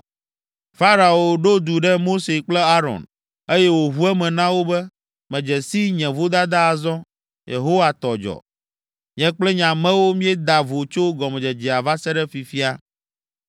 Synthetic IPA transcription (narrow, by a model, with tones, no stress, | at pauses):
fa˦ɾa˨o˨ɖo˦d̪u˨ɖɛ˦mo˦se˨k͡plɛ˦a˦ɾɔ̰˨n | e˦jɛ˦wo˨ɦu˦ɛ˦mɛ̃˨nã˦wo˦bɛ˦ | mɛ̃˨d͡ʒɛ˨si˦ɲɛ̃˨vo˦d̪a˦d̪a˦˨zɔ̃˦ | jḛ˨ɦo˦wa˨t̪ɔ˨d͡ʒɔ̰˨ | ɲɛ̃˦k͡plɛ˦ɲã˨mɛ̃˦wo˦mĩ˦ɛ˦d̪a˨vo˨t͡ʃo˦ɡɔ˨mɛ̃˨d͡ʒɛ˨d͡ʒi˨a˨va˦sɛ˦ɖɛ˦fi˨fi˦a˦